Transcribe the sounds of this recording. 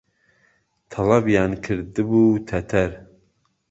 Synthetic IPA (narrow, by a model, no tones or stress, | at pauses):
t̪ʰɑlˠɑbjɑːnkʰɨɾd̪ɨbuːt̪ʰɐt̪ʰɛɾ